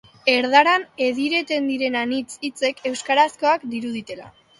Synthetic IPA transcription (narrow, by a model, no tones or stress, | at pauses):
e̞ɾðaɾane̞ðiɾe̞t̪e̞nd̪iɾe̞nanit͡sit͡se̞kʰe̞wskaɾasko̞akd̪iɾuð̞it̪e̞la̰